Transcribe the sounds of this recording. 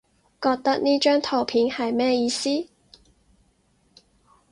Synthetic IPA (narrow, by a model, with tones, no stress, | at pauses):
kɔː˧k̚t̪ɐ˥k̚niː˥t͡ʃœː˥ŋt̪ʰo˨˩wpʰiː˨˥nhɐ˨jmɛː˥jiː˧siː˥